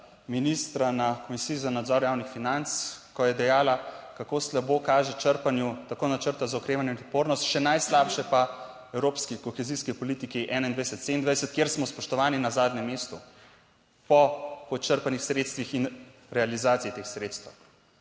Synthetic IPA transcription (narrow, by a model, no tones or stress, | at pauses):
minist̪ɾanakɔmisijizanad̪zɔɾjaːwnixfinant̪skɔjɛd̪ɛjaːlakakoːslabokaːʒɛt͡ʃəɾpanjut̪akoːnat͡ʃəɾt̪azaɔkɾeːʋanjɛinɔt̪poːɾnɔst̪ʃɛnajslaːpʃɛpa | ɛwɾoːpskikɔxɛziskipɔliːt̪ikiʔɛːnaind̪ʋajsɛt̪send̪ʋajsɛt̪̚kjeːɾsmɔspɔʃt̪ɔʋaːninazaːd̪nɛmːest̪u | pɔpɔt͡ʃəɾpanixsɾeːt̪st̪ʋixin | ɾɛalizaːt̪sijit̪exsɾeːt̪st̪əw